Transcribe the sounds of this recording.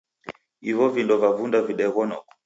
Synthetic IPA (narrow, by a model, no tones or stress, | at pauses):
ivɔvindɔvavundaviɗɛɣɔnɔkɔ̥